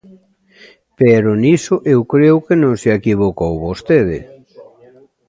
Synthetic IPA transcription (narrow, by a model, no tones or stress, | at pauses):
peɾʊnisʊʔewkɾewkenõŋsɪekiβokowβost̪eðɪ̰